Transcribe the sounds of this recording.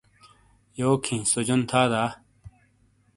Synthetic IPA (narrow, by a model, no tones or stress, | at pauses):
joːkʰĩːsod͡ʑont̪ʰaːd̪aː